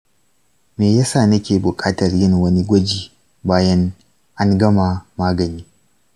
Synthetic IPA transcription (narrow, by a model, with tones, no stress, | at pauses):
meː˨jaː˦saː˦˨nɐ˦kʲeː˨bʊ˨kʼaː˦tɐ˨rjɪ˦ŋwɐ˦ni˦ɡʷɐ˦d͡ʒiː˨ | baː˦jɐ˦ŋ | ʔa˦ŋɡɐ˦ma˨maː˦ɡɐ˨niː˦